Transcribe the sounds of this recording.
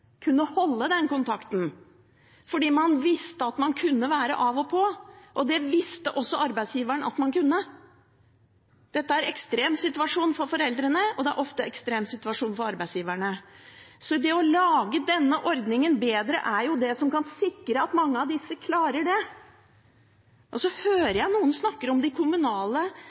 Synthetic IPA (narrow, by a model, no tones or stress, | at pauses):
kʰʉnːəhɔlːəd̪ɛnkʊnt̪ʰɑkt̪n̩ | fɔɖiːmɑnʋɪst̪əɑt̪mɑnkʰʉnːəʋæːɾə̰ʔɑʋɔpʰɔʔɔd̪ɛʋɪst̪əʔɔsːɔɑɾbæɪd̪sjiːʋæɳɑ̰t̪mɑnkʉnːə | d̪̥ɛt̪ːəæɾɛkst̪ɾeːmsɪt̪ʉɑʂuːnfɔɾfɔɾɛld̪ɾənəɔd̪ɛæ̰ɾʔɔft̪əɛkst̪ɾeːmsɪt̪ʉʋɑʂuːnfɔɾɑɾbæɪsjiːʋæɳə | sɔd̪ɛɔlɑːɡəd̪ɛnːəʔɔɾd̪nɪŋənbeːd̪ɾə̰ʔæɾjʊd̪ɛsɔmkɑnsɪkːɾəɑt̪mɑŋːəɑʋd̪ɪsːəkʰlɑːɾəɖɛ | ʔɔsɔhøːɾəjæɪnuːənsnɑkːəɾɔmd̪ɪkʰʊmʉnɑːlə